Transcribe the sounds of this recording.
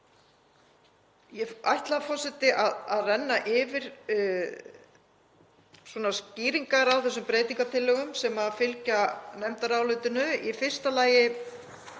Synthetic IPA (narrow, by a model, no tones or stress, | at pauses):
jɛa̰jht̪laafɔrsɛt̪ɪʔaðaðrɛnːaʔɪvɪɾ̥ | swɔnasciːɾiŋkaɾawθɛsːʏmpɾeːjt̪iŋkat̪ʰɪlːœɣʏmsɛmafɪlcanɛmt̪aɾaːwlʏːt̪ʏnʏifɪr̥st̪alaːjɪ